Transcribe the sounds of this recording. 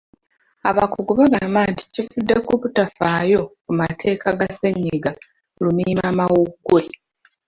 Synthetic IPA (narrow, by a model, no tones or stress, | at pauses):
aβakuɡuβaɡaːmbaːnti̥cifudːe̞kuβutafaːjo̞kumatʰe̞ːkʰaɡaseɲːiɡa | lumiːmaːmawuɡue